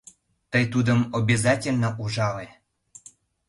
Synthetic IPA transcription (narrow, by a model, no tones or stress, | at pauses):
t̪əjt̪ud̪əmobʲezɑtʲelʲnəʔuʒɑle